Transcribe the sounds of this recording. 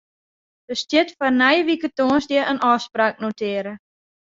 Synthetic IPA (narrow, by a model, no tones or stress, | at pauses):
dəstjɪtfɔrnɛjəʋikətoːənsdjɪʔənʔɔːspraːk̚notʰɪəɾə